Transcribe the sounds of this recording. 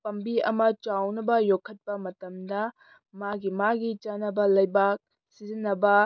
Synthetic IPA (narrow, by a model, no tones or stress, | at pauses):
pɐmbiɐ̰mɐt͡ʃawnɐbɐjokʰːɐt̚pɐmɐtɐmdɐ | maɡimaɡit͡ʃanɐbɐlɐjbak̚ | sizinːɐbɐ